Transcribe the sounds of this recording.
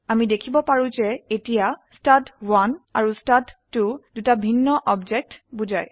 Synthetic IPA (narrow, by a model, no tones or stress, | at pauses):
amidekʰibɔpaɹũzɛetijastatwanaɹustatːudutabʱinːɔʔɔbd͡ʒɛk̚tbuzaj